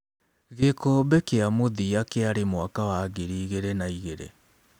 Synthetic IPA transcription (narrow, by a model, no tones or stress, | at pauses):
ɣekoːbɛkeamoðiakeaɾemwakawaɡeɾiːɣeɾenaiɣeɾḛ